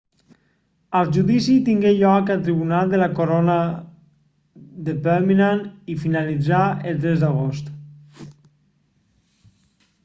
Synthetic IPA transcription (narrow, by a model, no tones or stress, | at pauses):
əlˠʒuðisit̪iŋɡeʎɔkəlˠt̪ɾiβunald̪əlakoɾona | ðepɛɾminanifinalid͡zaelˠt̪ɾɛzd̪aɣ̞ost̪